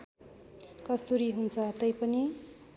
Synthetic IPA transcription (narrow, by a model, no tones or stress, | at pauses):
kʌst̪uɾiɦunt͡sʰʌt̪ʌjpʌni